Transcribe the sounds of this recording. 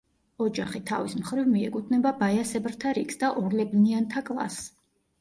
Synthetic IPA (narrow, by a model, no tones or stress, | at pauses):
ɔd͡ʒaχit̪ʰa̰vismχɾivmiɛkʼut̪ʰnɛbabajasɛbɾt̪ʰaɾikʰsd̪aʔɔɾlɛbniant̪ʰakʼlˠa̰s